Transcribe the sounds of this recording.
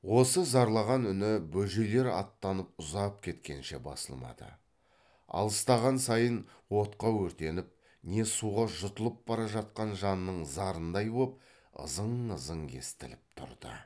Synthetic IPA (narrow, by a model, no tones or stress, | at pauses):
wo̞səzɑɾlˠɑʁɑnʏnɪbɵʒele̞ɾɑ̰t̪ːɑnəp̚ʊzɑp̚kʲʰe̞t̪kʲe̞nʃe̞bɑ̰sə̰lˠmɑ̰d̪ə̰ | ɑ̰lˠəst̪ɑʁɑnsɑjənwo̞t̪qɑwɵɾt̪e̞nɪp̚ | ne̞suʁɑʒʊt̪əlˠəp̚bɑɾɑʒɑt̪̚qɑnʒɑnːəɴzɑɾənd̪ɑjbop̚ | ə̰zəɴəzəŋkʲʰe̞̰st̪ɪ̰lɪp̚t̪ʰʊ̰ɾd̪̥ə̰